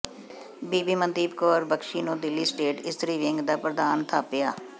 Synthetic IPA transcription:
biːbiːmənd̪iːbkɔːɾbəkʃiːnũːd̪ɪlːiːsʈeːʈɪst̪ɾiːʋɪŋɡd̪aːpɾəd̪aːnt̪ʰaːpɪjaː

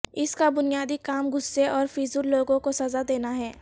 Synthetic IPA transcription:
ɪskabʊnijaːd̪ikaːmɡʊsːeɔːɾfiːzʊɾloːɡõkosɐzad̪eːnaɦɛː

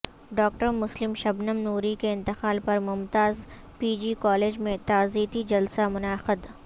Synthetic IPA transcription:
ɖɔːk̚ʈəɾmʊslɪmʃɐbnəmnuːɾikeɪ̃nt̪ɪxaːlpɐɾmʊmt̪aːz | piːd͡ʒiːkɔːleːd͡ʒmẽt̪aːziːt̪id͡ʒɐlsamʊnaːxɪd̪

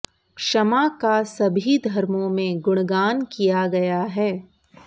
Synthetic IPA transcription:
ʃɐmakasɐbʱid̪ʱɐɾmõmẽɡʊɽ̃ɡaːnkijaɡɐjaɦɛː

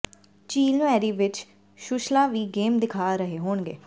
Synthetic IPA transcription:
t͡ʃiːlnũːɛːɾiːʋɪt͡ʃ | ʃʊʃlãːʋiːɡeːmd̪ɪkʰaːɾəɦeːɦoːɳɡḛː

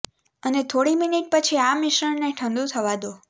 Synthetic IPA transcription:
ənet̪ʰoɽiminiʈ̚pət͡ʃʰiamiʃəɳneʈʰə̃nd̪ũt̪ʰəʋad̪o

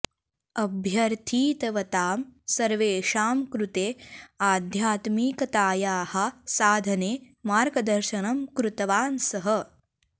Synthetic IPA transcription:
ɐbʱjɐɾt̪ʰiːt̪ɐʋɐt̪aːmsɐɾʋeːʃaːmkɾut̪eːaːd̪ʱjaːt̪miːkɐt̪aːjaːhɐ̆saːd̪ʱɐneː | maːɾɡɐd̪ɐɾʃɐnɐmkɾut̪ɐʋaːnsɐɦɐ

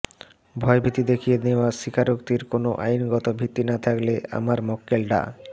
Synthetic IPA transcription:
bʱɔebʱit̪ːid̪ekʰijeneoaʃikʰaɾok̚t̪iɾkonoʔajnɡɔt̪obʱit̪ːinat̪ʰaklea̰maɾmɔkːelɖa̰

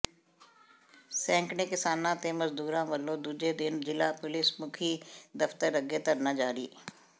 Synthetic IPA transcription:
sɛ̃ːŋknekɪsaːnãːt̪eːməzd̪uːɾãːʋəlːõːd̪uːd͡ʒed̪ɪnd͡ʒɪlaːpʊlɪsmʊkʰiːd̪əft̪əɾəɡet̪əɾnaːd͡ʒaːɾiː

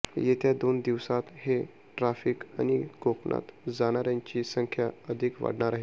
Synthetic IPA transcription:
jet̪jad̪ond̪iʋsat̪he | ʈɾafiːka̰ñiɡokɳa̰t̪d͡zaɽ̃aɾjaɲt͡ɕiːsəŋkʰjaəd̪ʱikʋa̰ɽɳaɾaɦe

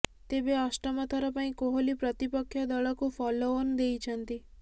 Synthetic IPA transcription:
t̪ebeasʈɔmɔt̪ʰɔɾɔpaĩkoɦolipɾɔt̪ipɔkʰːjɔd̪ɔɭɔkufʰɔloːnd̪ejt͡ʃʰənt̪i

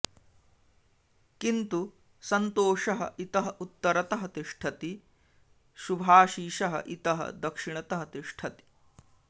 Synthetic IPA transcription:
kint̪u | sɐnt̪oːʃɐɦɐ̰ʔit̪ɐɦɐʔut̪ːɐɾɐt̪ɐɦɐt̪iʂʈʰɐt̪i | ʃubʱaːʃiːʃɐɦɐ̰ʔit̪ɐɦɐ̰d̪ɐkʂiɳɐt̪ɐɦɐt̪iʂʈʰɐt̪i̥

